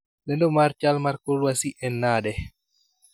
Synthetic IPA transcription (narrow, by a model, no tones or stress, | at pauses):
lɛndomaɾt͡ʃalmaɾkolwasiʔɛnːadɛ